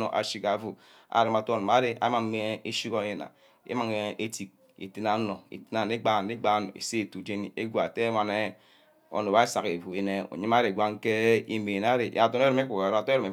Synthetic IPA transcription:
o̰˨ʔa̰˨ʃi˦ka˨vu˨ | a̰˨ɾi˨ma˨to˦˨n˨ma˨˦ɾe˨a̰˦ma˨˦me˦e˦ʃi˦ko˦je˨na̰˨ | ḛ˦ma˨ŋe˨ʔe˦ti˨k̚ | ḭ˨ti˦na˦no˨ḭ˨ti˦na˨ne˦ɡ͡ba˦˨˦e˦ɡ͡ba˦no̰˨ḛ˨se˦e˨tu˨d͡ʒe˦ni˨e˦ɡʷa˨te˦ma˨ne˦ | o̰˨no˨wa˦e˦sa˨ke˨vu˨e˦ne˦o̰˨ɲi˦ma˦ɾe˨ɡʷa˦ŋ̩˦ke˦i˦me˨na˦ɾe˨ja˨to˦ne˦ɾo˦m˦e˦ku˨ka˨ɾa˨to˦e˦ɔ˨me˨

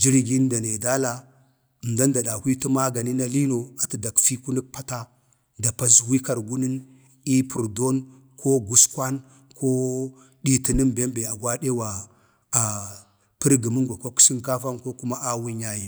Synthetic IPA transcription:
d͡ʒi˦ɾɡi˦nda˨ne˨da˦la˦˨ | nda˦nda˨ɗa˨hʷwi˦ti˦ma˦ɡa˨ni˦na˦li˦no˨a˨ti˨da˨kfi˦ku˦ni˦k̚pa˦ta˦ | da˨pa˦swi˦ka˨ɾɡu˦ni˦n | i˦pʰu˨ɾdo˦n | kʰo˦ɡu˨skwa˦n | ko˦ | ɗi˦ti˨ni˦mbe˦mbe˨a˨ɡwa˦ɗe˦wa˨ | a˨ | pə˦ɾɡə˨mu˦ŋɡʷa˨ko˦ku̥˦si˦ŋka˦fa˦nko˦ku˦ma˦ʔa˦wu˦ɲa˦ji˨

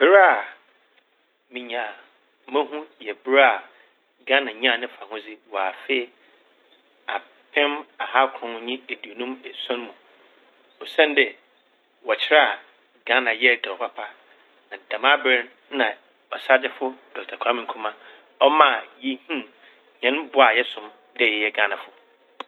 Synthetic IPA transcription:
bɪ˦ɾa˦ | mĩ˨ɲã˨ | mɛ̃˦ɦũ˦jɛ˨bɪ˦ɾa˦a˨ | ɡã˦nã˨ɲ˦ã˦˨nɪ̃˦fa˨hʊ̃˦d͡zɪ˦wɔ˨a˨fe˦ | a˨ | pʰɛ̃˦ma˨ɦa˦kʰɾɔ̃˨ñ˨˦ɲĩ˦e˨di˨o˨nũ˦mɛ˨sɔ̃˦n˦mũ˨ | ɔ˨sɛ̃˦n˦dɪ˨ | wɔ˨t͡ɕʰɪ˦ɾa˦a˨ | ɡã˦nã˨jɛ˦˨dɛ˨ɔ˨pʰa˦pʰa˦ | nã˨dã˨mã˦bɪ˦n | nã˨ | ɔ˨sa˦d͡ʑɪ˦fʊ˦d̥ɔ˨tʰa˨kʰã˦mɪ̃˨ŋ̩˨kʰũ˦mã˦ | ɔ˦mã˦˨jɛ˦hĩ˦ | ɲɛ̃˦nbʊ˨˦a˨jɛ˦sʊ̃˨m | dɛ˦˨jɛ˨jɛ˦ɡã˦nã˨fʊ˨

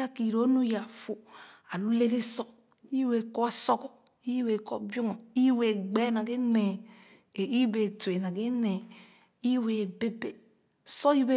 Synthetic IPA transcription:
a˦ki˨ɾo˦nu˦ja˨fu˨a˨lu˦le˦le˦so˦ | i˦we˨ko˦a˦˨so˦kɔ˨i˦we˨ko˦bjo˦ŋo˨i˦we˨ɡ͡be˦na˨ɡe˦ne˨ | i˦be˨te˨na˨ɡe˦ne˨ | i˦we˨be˦be˨ | so˦i˦be˦

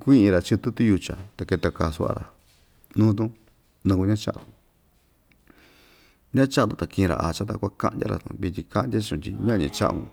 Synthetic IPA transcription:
kʷĩ˦ʔĩ˧ɾa˨t͡ʃi˦˧t̪u˦t̪u˦ju˧t͡ʃa̰˨t̪a˧ke˧t̪a˧ka˨su˧a̰˧ɾa̰˨ | nũ˦t̪̬ũ˦ | nũ˧ku˧ɲã˦t͡ʃa̰˦ʔa˨d̪u˨ | ɲã˦t͡ʃa˧˦nd̪ũ˧t̪a˨kĩ˧ɾa̰˨ʔa˨t͡ʃa˦t̪a̰˧kʷa˦ka̰˦ʔndʲa̰˦ɾa̰˨t̪ṵ̃˧βi˧t̪ʲi˧ka˧˦ʔn˧dʲa˦˧t͡ʃũ˧t̪ʲi˧ɲã˦˧ɲã˧t͡ʃa̰˦ʔṵ̃˧

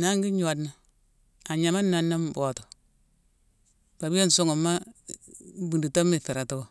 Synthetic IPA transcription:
na˦ŋɡi˦ɲo˨a˨dna˨ | a˨ɲa˨ma˦na˨na˦mbo˨to̥˨ | pa˨bi˦je˦n˨so˦ŋo˨ma˦ | bu˨ndi˨to˦mːi˨fi˨ɾa˨to˦o˨

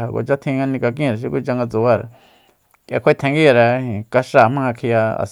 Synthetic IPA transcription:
a˨ko̰˨t͡ʃa˦t̪ʰĩ˧ŋa˧nĩ˧ka˧k̬ĩ˦˨ɾa˨ʃ̬i˧˦kʷu˦t͡ʃa˧ŋɡa˧t͡su˧˨a˦˨ɾa̰˨ | ka̰˧kʰʷe˦˧t̪ʰẽ˧ŋɡi˦˨ɾa˧ĩ˨ka˧ʂa˦˨mã˦˧kʰi˧ja˧a̰˨s

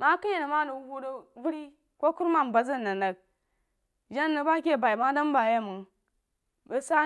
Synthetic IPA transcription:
ma˦kə˦je˨nə˨ma˦nə˨˦hu˦də˦vu˦ɾi˦ | ko˦ku˦ɾma˦˨m˨ba˨zə˦nːa˨na˨k̚ | d͡ʒa˦nː˦ə˨ba˦kʲe˦˨ba˨i˨ma˦da˦m˦ba˨je˦˨mu˨ | bə˨sa˦

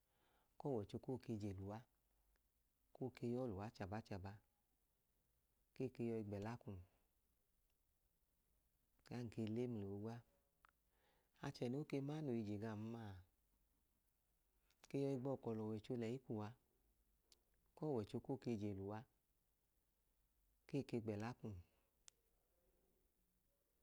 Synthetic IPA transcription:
kɔ˦˨wɛ˨t͡ʃo˧ko˦˨ke˧d͡ʒe˨lu˨wa˧˦ | ko˦˨ke˧jɔ˦lu˨wa˨˦t͡ʃa˨ba˨˦t͡ʃa˨ba˧ | ke˦˨ke˧jɔ˧i˧ɡ͡bɛ˨la˦ku˧˨n˨ | ka˦ŋ̩˨ke˧le˦mi˧lo˨o˨˧ɡʷa˦ | a˧t͡ʃɛ˨n˦o˨˦ke˧maː˦no˨i˧d͡ʒe˨ɡa˧˨m̩˦ma˦˨ | ke˧jɔ˧i˧ɡ͡bɔ˧˨kɔ˨lɔ˨wɛ˨t͡ʃo˧lɛ˨i˦ku˨wa˧ | kɔː˦˨wɛ˨t͡ʃo˧ko˦˨ke˧d͡ʒe˨lu˨wa˧ | keː˦˨ke˧ɡ͡bɛ˨la˨˦ku˧˨m˨

